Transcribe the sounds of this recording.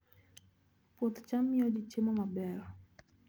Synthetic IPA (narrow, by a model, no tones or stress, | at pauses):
pot̪t͡ʃamːɪod͡ʒit͡ʃemɔmabɛɾɔ